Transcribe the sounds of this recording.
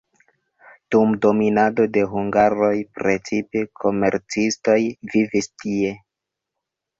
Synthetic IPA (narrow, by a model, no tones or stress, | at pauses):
d̥umdo̞minado̞de̞ɦuŋɡaɾo̞jpɾet͡sipekʰo̞me̞̰ɾt͡sisto̞jvivistie̞